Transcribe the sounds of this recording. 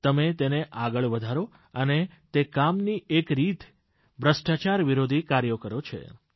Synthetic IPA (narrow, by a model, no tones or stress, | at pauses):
t̪əmet̪eneʔaɡəɭʋəd̪ʱaɾo | ənet̪ekamniekɾit̪ | bɾəʃʈat͡ʃaɾʋiɾod̪ʱikaɾjəkəɾot͡ʃʰḛ